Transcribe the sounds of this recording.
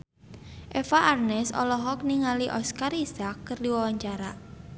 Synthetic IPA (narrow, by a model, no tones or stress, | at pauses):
ʔefaʔarnɛsɔ̰lɔɦɔk̚niŋaliʔɔskaɾisakːərdiwawaɲt͡ʃaɾa